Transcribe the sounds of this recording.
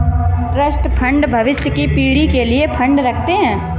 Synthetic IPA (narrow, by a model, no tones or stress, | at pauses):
pɾəsʈpʰɐ̃ɳɖbʱɐʋɪsjəkipiːɽikeliepʰɐ̃ɳɖɾɐkʰt̪eɦɛ̃ː